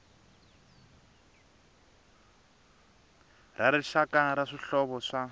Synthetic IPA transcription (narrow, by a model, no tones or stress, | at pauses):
rʔaɾɛʃakaɾaʂiɬɔβɔʂa